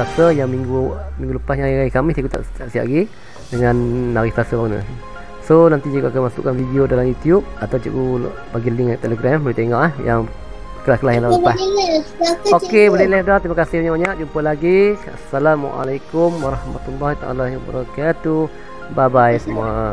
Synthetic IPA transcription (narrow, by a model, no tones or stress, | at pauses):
asəjaŋmiŋɡumĩŋɡuləpasjãŋiaikamiht̪ikut̪a̰ʔtaʔsia̰ʔɡi | dəŋanːaɾiht̪asəbaɡunə̰ | sonant̪id͡ʒuɡaʔkanmasṵʔkanfidiodalamjut̪jub̚at̪awt͡ʃuku | baɡiliŋat̪eləɡɾambəlit̪eŋɔʔahjaŋ | kəlahkəlahjaŋlapa | okebolɛlɛhdɔt̪imakasɪhbaɲaʔbaɲaʔd͡ʒumpəlaɡia̰salam̰ʔa̰lakʊmwaɾɑhma̰t̪ulːɔhit̪aʔa̰lajuba̰ɾɔkat̪ːu | babajsəmua